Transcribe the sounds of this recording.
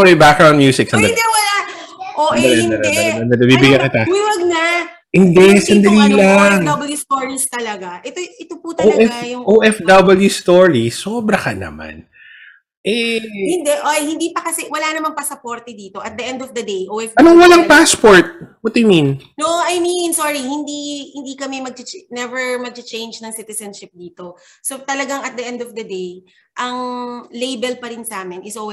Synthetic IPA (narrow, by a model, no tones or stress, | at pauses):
ɛjbakɡɹaw̃n̚mjuːsɪk̚sɐnd̪ɐd̪ɛwɐlaʔod̪ɐɐlɐd̪ɐɐnd̪ɐd̪ɐbibɪɡɐkɪt̪ɐwɪwɐɡ̚nɐ | hɪnd̪ɛsɐnd̪ɐliːlɐŋd̪ɐbɐljust̪oɹist̪ɐlɐɡaʔɛt̪oʔɪt̪oput̪ɐoʔɛɡfajʊŋʔoʔɛfd̪ɐbɐljust̪oɹisoːbɾɐkɐnɐ̰ma̰n | ʔɛhɪnd̪ɛʔojhɪnd̪iːpɐkɐsɛwɐlanɐmaŋpɐsɐpoɾt̪ɛd̪iːt̪o̞ʔɐt̪̚d̪ɐʔɛ̃nd̪ɔfd̪ɐd̪ejʔoʔɛfɐnoŋwɐlaŋpaspoɹt̪̚wɐt̪ajminnoʔʔɐjminsoːɹihɪnd̪ihɪnd̪ikɐmɛmɐɡ̚t͡ʃɪt͡ʃɛnɛvɛɹmɐɡ̚t͡ʃɪt͡ʃejnd͡ʒnɐŋsɪt̪ɛsɐnʃɪp̚d̪iːt̪o̞sot̪ɐlɐɡaŋɐt̪̚d̪ɐʔɛ̃nd̪ɔfd̪ɐd̪ej | ʔɐŋlejbɛlpɐɾɪnsʔaːmɪnʔɪsolw